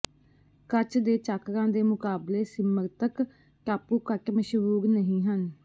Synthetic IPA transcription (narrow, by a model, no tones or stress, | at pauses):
kət͡ʃd̪eːt͡ʃaːkɾãːd̪eːmʊkaːbleːsɪməɾt̪ək | ʈaːpuːkəʈməʃʋuːknəɦĩːɦən